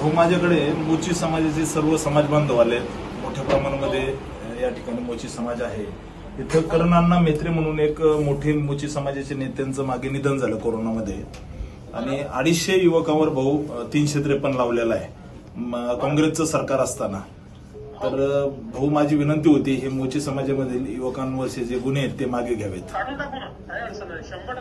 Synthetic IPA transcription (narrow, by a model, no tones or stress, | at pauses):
bʱəumad͡ʑʱakəɽemot͡ɕiːsəmad͡zat͡ɕesəɾʋəsəmad͡zbənd̪ʱəʋale | moʈʰjapɾəmaɾ̃məd̪ʱːje | jaʈʰi̥kaɽ̃iːmot͡ɕiːsəmad͡zaɦe | it̪ʰekəɾɳanːamet̪ɾem̤əɽ̃uːnekmoʈʰeːmot͡ɕiːsəmad͡zat͡ɕenet̪jant͡səːmaɡinid̪ʱənd͡zʱaləkoɾonaməd̪ʱːje | a̰ɽ̃ia̰ɽisɕejuʋəkãʋəɾbʱəut̪iːnɕet̪̬ɾepəɳlaʋljalae | kɔ̃ŋɡɾet͡səsəɾkaɾəst̪ana | t̪əɾbʱəumad͡ʑʱiːʋinənt̪iɦot̪iːɦemot͡ɕiːsəmad͡zjaməd̪ʱiːljuʋəkãnːuəsed͡zeɡunet̪ːemaɡeɡʱjaʋḛt̪